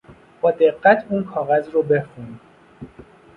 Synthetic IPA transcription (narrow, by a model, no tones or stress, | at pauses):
b̥ɒːd̪e̞ɣːæt̪ʰuːnkʰɒːɣæzɾobe̞xun